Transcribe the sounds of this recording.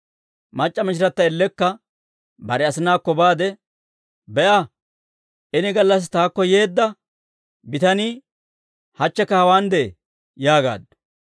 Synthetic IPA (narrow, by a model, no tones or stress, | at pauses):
mɐt͡ʃʼːɐmɪʃ̬ɪɾɐt̪ːɐɛlːɛkːɐ | bɐɾɛɐsɪnaːkːɔbaːd̪ɛ | bɛʔɐ | ʔɪnɪɡɐlːɐs̬t̪aːkːɔje̞ːd̪ːɐ | bɪt̪ɐniː | hɐt͡ʃːɛkːɐhɐwaːnd̪ɛ | jaːɡa̰ːd̪ɐ